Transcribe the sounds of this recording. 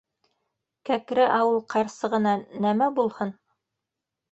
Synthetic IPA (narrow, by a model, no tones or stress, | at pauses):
kækɾɘʔɑwɤlˠqɑɾsɤʁɤ̆nɑnæmæbulˠhɤn